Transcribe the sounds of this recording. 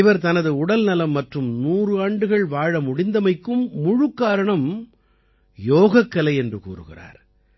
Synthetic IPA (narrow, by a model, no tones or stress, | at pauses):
ɪʋɐɾt̪ɐnɐðɯʊɽɐlnɐlɐmːɐʈrɯmnuːrɯaːɳɖɯɣɐɭʋaːɻɐmʊɽɪnd̪ɐmɐɪkːɯmːʊɻɯkːaːɾɐɳɐm | joːɣɐkːɐlɐɪɛndrɯkṵːrɯ̰ɣɪ̰ra̰ːɾ